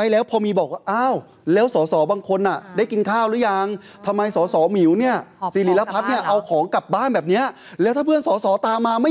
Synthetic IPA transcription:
a˧˩jlɛː˦˥wpʰɔː˧miː˧bɔː˨˩k̚waː˥˩ʔaː˧˥˩w | lɛː˦˥wsɔː˩˦sɔː˩˦baː˧ŋkʰo˧nʔa˨˩daː˥˩jki˧nkʰaː˥˩wɾɯː˦˥ja˧ŋ | t̪ʰa˧mːa˧jsɔː˩˦sɔː˩˦mi˨˩˦wni˥˩ɐsiː˨˩li˨˩˦la˦˧pʰa˦˥t̪̚ni˥˩ɐʔa˧wkʰɔː˩˦ŋka˨˩p̚baː˥˩nbɛː˨˩p̚ni˦˥ɐ | lɛː˦˥t̪ʰaː˥˩pʰɯ˥˩ənsɔː˩˦sɔː˩˦t̪aː˧maː˧ma˥˩

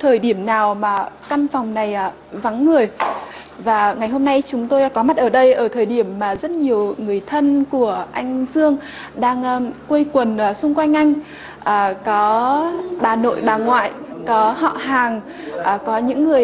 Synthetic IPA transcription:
t̪ʰəː˨˩jɗi˧˩əmnaː˨˩wmaː˨˩ka˧nfa˨˩wŋ͡mna˨˩jʔaː˨˩ | va˨˦ŋːɨ˨˩əj | vaː˨˩ŋa˨˩jɦo˧mna˧jt͡ɕʊ˨˦ŋ͡mt̪o˧jkɔ˨˦ma˦˥t̚ʔəː˧˩ɗə˧jʔəː˧˩t̪ʰəː˨˩jɗi˧˩əmːaː˨˩zə˦˥t̚ɲi˨˩əwŋɨ˨˩əjt̪ʰə˧nku˧˩əʔa˧jŋ̟zɨ˧əŋ | ɗaː˧ŋː˧kwe˧jkwə˨˩nʔːsʊ˧ŋ͡mkwa˧jŋ̟ʔa˧jŋ̟ | ʔaː˨˩kɔ˨˦ɓaː˨˩no̰˧˨jɓaː˨˩ŋwa̰ː˧˨jkɔ˨˦hɔ̰˧˨haː˨˩ŋ | ʔːkɔ˨˦ɲɨ̰˧˥ŋːɨ˨˩əj

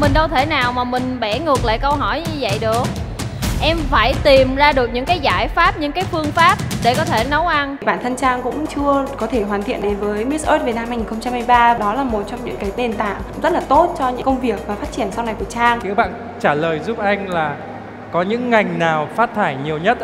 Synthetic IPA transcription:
mï˨˩ŋ̟ɗə˧wt̪ʰe˧˩naː˨˩wmaː˨˩mï˨˩ŋ̟ɓɛ˧˩ŋɨ˨˩ək̚la̰ː˧˨jkə˧wɦɔ˧˩jɲɨ˧və̰˧˨jɗɨ˨˩ək̚ | ʔɛ˧mfaː˧˩jt̪i˨˩mzaː˧ɗɨ˨˩ək̚ɲɨ̰˧˥ŋkaː˨˦jzaː˧˩jfaː˦˥p̚ɲɨ̰˧˥ŋkaː˨˦jfɨ˧əŋfaː˦˥p̚ɗe˧˩kɔ˨˦t̪ʰe˧˩nə˨˦wʔa˧nɓaː˧˨nt̪ʰə˧nt͡ɕaː˧ŋkʊ̰˧˥ŋ͡mt͡ɕɨ˧əkɔ˨˦t̪ʰe˧˩ɦwaː˨˩nt̪ʰḭ˧˨ənɗe˨˦vəː˨˦jmi˦˥sʔo˦˥t̚ve˨˩na˧mɦa˧jŋi˨˩nxə˧wŋ͡mt͡ɕa˧mːa˧jɓaː˧ɗɔ˨˦laː˨˩mo˨˩t̚t͡ɕɔ˧wmɲɨ̰˧˥ŋka˨˦ɗe˨˩nt̪a̰ː˧˨ŋ˧˥ŋ͡mzə˦˥t̚laː˨˩t̪o˦˥t̚t͡ɕɔ˧ɲɨ̰˧˥kə˧wŋ͡mvi˨˩ək̚vaː˨˩faː˦˥t̚t͡ɕi˧˩ənsa˧wna˨˩jku˧˩ət͡ɕaː˧ŋkḭ˧˥wɓa̰ː˧˨n | t͡ɕaː˧˩ləː˨˩jzu˦˥p̚ʔa˧jŋ̟laː˨˩ | kɔ˨˦ɲɨ̰˧˥ŋːa˨˩jŋ̟naː˨˩wfaː˦˥t̚t̪ʰaː˧˩jɲi˨˩əwɲə˦˥t̚

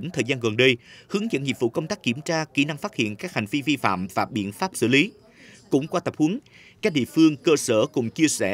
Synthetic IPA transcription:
nt̪ʰəː˨˩jzaː˧nɣə˨˩nɗə˧jhɨ˨˦əŋzə̰˧˥˨nŋḭ˧˨əvṵ˧˥kə˧wŋ͡mt̪aː˦˥k̚ːi˧˩əmt͡ɕaː˧ki˧˩na˧ŋfaː˦˥t̚hḭ˧˨ənkaː˦˥k̚ha˨˩jŋ̟vi˧vi˧fa̰ː˧˨mvaː˨˩ɓḭ˧˨ənfaː˦˥p̚sɨ̰˧˥li˨˦ | kʊ̰˧˥ŋ͡mkwaː˧t̪ə˨˩p̚hu˨˦n | ka˦˥k̚ɗḭ˧˨əfɨ˧əŋkəː˧səː˧˩kʊ̰˧˥ŋ͡mt͡ɕi˧əsɛ˧˩

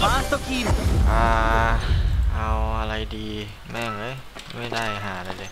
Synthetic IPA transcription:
maː˧˥so˧˥˩kʰi˧˥˩ʔaː˧˩ | ʔa˧wʔa˧ɾa˧jdiː˧ | mɛː˥˩ŋa˦˥˩j | ma˥˩jda˥˩jɦaː˩˦˧la˧jlɤː˧j

